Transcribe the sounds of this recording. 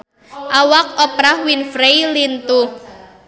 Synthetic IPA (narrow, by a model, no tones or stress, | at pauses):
ʔawak̚ɔpɾahwinfɾejlint̪u